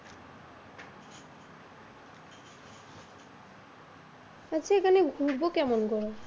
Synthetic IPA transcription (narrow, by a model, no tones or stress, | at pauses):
aziɛkanɛɡʱubokɛmɔnkɔɹɔ